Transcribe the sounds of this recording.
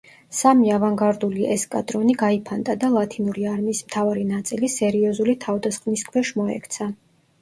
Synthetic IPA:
samiavaŋɡaɾd̪uliʔɛskʼad̪ɾɔniɡaipʰand̪ad̪alˠat̪ʰinuɾiaɾmiːsmt̪ʰavaɾinat̪sʼilisɛɾiɔzulit̪ʰavd̪asχvniskʰwɛʃmɔɛ̰kʰt̪sʰa

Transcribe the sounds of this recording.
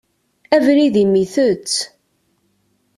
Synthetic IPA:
ævɾiðimiθət͡sː

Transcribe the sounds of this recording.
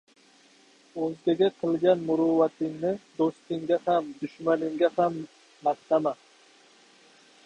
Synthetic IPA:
ɵzɡʲaɡʲaqʰɨlˠɡʲanmʊɾuvat̪ʰɪŋnɪd̪ost̪ɪŋɡʲahamd̪ʊʃmanɪŋɡʲahamː | ast̪ama

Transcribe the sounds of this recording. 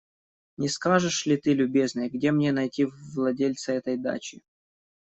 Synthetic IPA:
nʲɪskaʐɨʂlʲɪt̪ɨlʲʊbʲe̞znɨjəɡdʲemnʲe̞nɐjtʲivlˠɐdʲelʲt̪səɛt̪əjd̪a̰t͡ɕɪ

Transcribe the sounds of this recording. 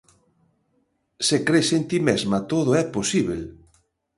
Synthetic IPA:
sekɾesent̪imezmɐt̪oðʊɛposiβel

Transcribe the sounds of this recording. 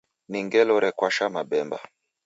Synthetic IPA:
niŋɡɛlɔɾɛkwaʃamabɛmba̰

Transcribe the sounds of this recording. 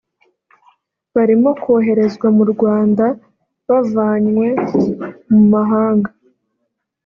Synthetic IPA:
βaɾimo̞koɦe̞ɾe̞zɡwamuɾɡwaːnda | βavaːɲwe̞ | mumaɦaːŋɡa

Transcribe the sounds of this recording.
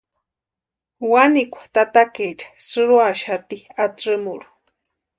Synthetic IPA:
wanikʷḁt̪at̪aket͡ʃḁt͡sɨɾuaʃat̪iat͡sɨmuɾu̥

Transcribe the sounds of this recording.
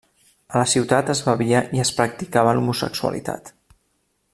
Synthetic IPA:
ələsiwt̪at̪əzβəβiəʔiəspɾək̚t̪ikaβəlumusə̰ksuə̰lḭt̪a̰t̪

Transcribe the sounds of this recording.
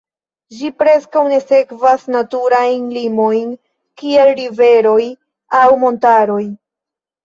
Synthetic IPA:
d͡ʒipɾe̞skawne̞se̞kvasnatuɾajnlimo̞jn | kie̞lɾive̞ɾo̞j | awmo̞ntaɾo̞j

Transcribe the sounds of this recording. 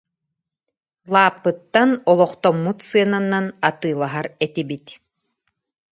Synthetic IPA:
lˠaːpːɯt̪ːanɔlˠɔχt̪ɔmːut̪sɯɐnanːanat̪ɯːlˠaɦaɾɛt̪ibit̪

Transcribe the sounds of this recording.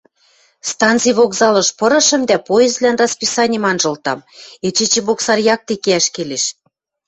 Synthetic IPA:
st̪ɑnt̪t͡sijβoɣzɑlɤ̆ʃpɤ̆ɾɤ̆ʃə̆md̪æpoezlænrɑspisɑnʲemɑnʒɤ̆lt̪ɑmet͡ɕet͡ɕĕβoksɑrjɑk̚t̪ekeæʃkeleʃ

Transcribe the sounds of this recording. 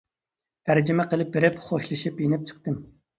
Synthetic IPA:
t̪ʰæɾd͡ʒɪmɛqəlˠɪp̚beɾɪpχoʃlˠɨʃipjenɪp̚t͡ʃʰə̥χt̪ɨm

